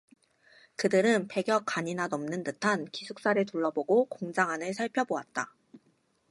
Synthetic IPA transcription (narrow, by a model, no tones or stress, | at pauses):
kɯdɯɾɯnpe̞ɡjʌk̚k͈aɲinanʌmnɯndɯtʰankisʰuk̚s͈aɾɯɭtuɭːʌboɡokoŋd͡ʑaŋɦanɯɭsʰaɭpʰjʌboat̚t͈a̰